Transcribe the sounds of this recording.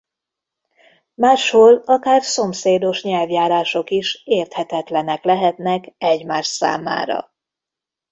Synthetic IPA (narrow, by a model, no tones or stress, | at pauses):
maːʃhoːlɒkaːrso̞mseːd̪o̞ʃɲɛlvjaːɾaːʃo̞kiʃeːrt̪hɛt̪ɛt̪lɛnɛklɛɦɛt̪nɛkɛɟmaːʃsa̰ːma̰ːɾɒ̰